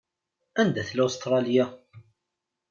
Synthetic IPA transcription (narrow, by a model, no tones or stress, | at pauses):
ænd̪æθlost̪ɾˤɑlja